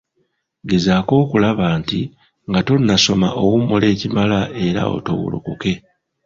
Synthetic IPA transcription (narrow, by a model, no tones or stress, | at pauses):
ɡe̞zaːko̞ːkulaβaːnti | ŋɡato̞nːaso̞ma̰ʔowumule̞ːcimalae̞ɾa̰o̞̰to̰wṵlṵkuke̞